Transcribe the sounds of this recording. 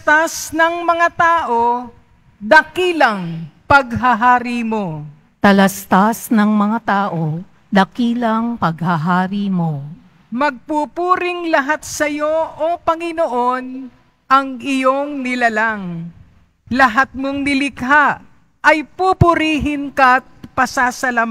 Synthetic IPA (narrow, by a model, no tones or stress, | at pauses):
t̪asnɐŋmɐŋat̪aːʔo̞ | d̪ɐkilɐŋpɐɡɦɐɦaːɾimo̞ | t̪ɐlɐst̪asnɐŋmɐŋat̪aːʔo | d̪ɐkiːlɐŋpɐɡ̚haɦaːɾimo | mɐɡ̚pupuːɾɪŋlɐɦat̪̚sɐjoʔopɐŋɪnoʔo̞n | ʔɐŋɪjo̞ŋnɪlalaŋ | lɐɦat̪̚moŋnɪlɪkɦaʔ | ʔɐjpupʊɾiːɦɪnkɐt̪̚pɐsasɐlam